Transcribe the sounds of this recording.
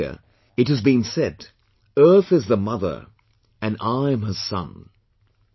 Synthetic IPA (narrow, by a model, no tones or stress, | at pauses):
ə̰ | ɨt̚hɨzbĩnsɛɾ | ɜ˞θɨzðəmʌðə̰˞ | ɨ̃naɪɨ̃məz̥sʌ̰̃n